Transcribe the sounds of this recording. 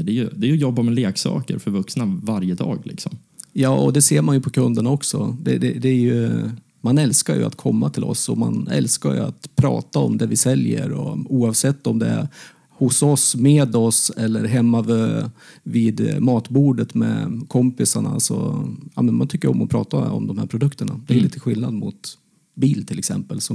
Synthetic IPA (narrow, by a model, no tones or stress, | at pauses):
d̪ɛjɵd̪ɛɾjɵjɔbːamɛleːksɑ̰ːkə̰ɾfœɾvɵksnavaɾjəd̪ɑ̰ːɡlɪksɔm | jɑːɔd̪ɛseːɾmanjɵpʰɔkʰɵnd̪əɳaɔksɔd̪ɛd̪ɛd̪ɛæɾjɵ | manɛlskajɵ̰a̰t̪kʰɔmːat̪ʰɪlʔɔ̰sɔma̰nɛlskaɾjɵ̰a̰t̪pʰɾɑ̰ːt̪aɔmd̪ɛvɪsɛljə̰ɾɔuːɑvsɛt̪ːɔmd̪ɛ | hʊsɔsmeːd̪ɔsɛlːəɾɦɛmːavøːvɪd̪mɑːt̪buːɖət̪mɛ̰kʰɔmpɪsaɳasɔjɑːmɛnmant̪ʰʏkːəɾɔmːɔpʰɾɑ̰ːt̪aɔ̰md̪ɔmhæːɾpʰɾʊd̪ɵkt̪əɳad̪ɛjliːt̪əɧɪlnad̪mʊt̪ | biːlt̪ʰɪlɛksɛ̰mpəlsɔ